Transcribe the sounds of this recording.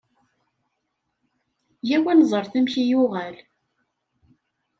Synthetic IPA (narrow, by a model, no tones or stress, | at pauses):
jæwænzˤəɾˤθæmçijʊʁæl